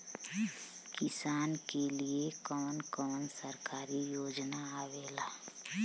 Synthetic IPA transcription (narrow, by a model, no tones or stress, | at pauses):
kɪsaːnkeliekɔːnkɔːnsəɾkaːɾijoːd͡ʒnaaʋeːlaː